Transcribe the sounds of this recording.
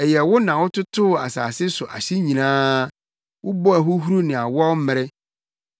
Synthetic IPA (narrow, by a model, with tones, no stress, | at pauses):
ɛ˨jɛ˨wʊ˦nã˨wʊ˦tʊ˦tʰʊ˦˨a˨saː˨sɪ˦sʊ˨ʔa˨ɕi˦ɲĩ˨ãː˦ | wʔʊ˦bɔ˦æ˨ɦʊ˦ɦu˦ɾu˦nɪ̃˨a˨wɔ˦m̩˦mɪ˨ɾɪ˦